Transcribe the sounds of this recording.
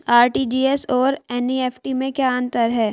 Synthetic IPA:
aːɾʈid͡ʒiːɛsɔːɾɛnieːfʰʈimẽkjaːə̃nt̪əɾɦɛː

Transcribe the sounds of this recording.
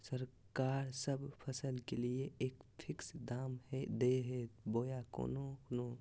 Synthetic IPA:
səɾ | kaːɾsəbpʰɐsəlkelieeːkpʰɪksd̪aːmhɛd̪eɦeboːjako̰ːnono

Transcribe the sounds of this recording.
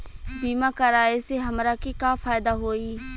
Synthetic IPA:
biːmakəɾaːiseɦɐmɾakikaːfaːjɪd̪aɦoːiː

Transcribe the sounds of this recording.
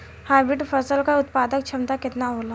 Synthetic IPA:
haːɾbɪʈfʰɐɾsəlkaʊt̪paːd̪ək̚t͡ʃʰɐmt̪akɪt̪naɦoːla

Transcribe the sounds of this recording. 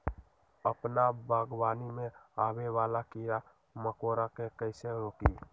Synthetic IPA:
əpnabʱaːɡwaːnimẽaːwewaːlakija | məkoːɾakekəɪseɾoːkiː

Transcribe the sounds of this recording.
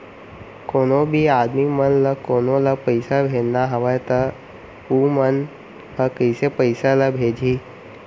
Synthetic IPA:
koːnobʱiaːd̪mimənləkoːnoləpəɪsabʱed͡ʒnaɦɐʋəjt̪ə | uːmən | ɦəkəɪsepəɪsaləbʱeːd͡ʒʱiː

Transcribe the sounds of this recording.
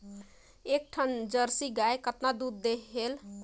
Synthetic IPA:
ek̚ʈʰənd͡ʒəɾsiɡaekət̪nad̪ud̪ːeɦel

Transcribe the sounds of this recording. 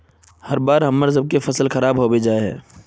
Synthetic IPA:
hɐɾbaːɾɦɐmːəɾzəb̚kefɐsəlxɐɾaːbɦobed͡ʒaːeɦɛ̰̃ː

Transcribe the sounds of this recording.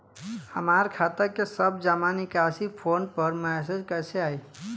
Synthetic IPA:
həmaːɾkʰaːt̪əɾkesəbd͡ʒamanɪkaːsipʰoːnpəɾmɛs̬ed͡ʒkəseaːi

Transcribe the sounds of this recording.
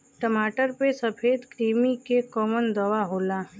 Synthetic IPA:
ʈəmaːʈəɾpesɐpʰeːd̪kɾiːmikekɔːmənd̪ɐʋaɦoːlaː

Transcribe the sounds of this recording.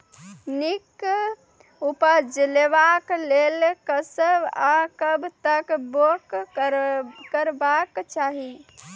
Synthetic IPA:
nik | upəd͡ʒlebaklelkəsəbakəbʱt̪əkbok | kəɾbakt͡ʃaɦi

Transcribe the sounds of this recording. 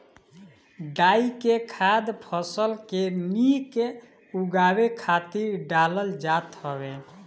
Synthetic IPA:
ɖaikekʰad̪pʰəsəlkemike | uɡabekʰat̪iɾɖaləld͡ʒat̪həbe

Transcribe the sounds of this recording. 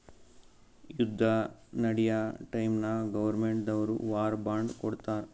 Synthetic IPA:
jud̪ʱːɐnɐɽijɐʈɐjmnɐɡɐʋɐɾmeɳʈd̪ɐʋɐɾṵʋaːɾbaːɳɖkoɽt̪aːɾ

